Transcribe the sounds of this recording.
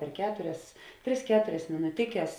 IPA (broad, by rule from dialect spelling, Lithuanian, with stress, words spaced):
pʲɛr ˈkʲæːtʊrʲɛs ˈtʲrʲɪs ˈkʲæːtʊrʲɛs mʲɪnʊˈtʲɪkʲɛs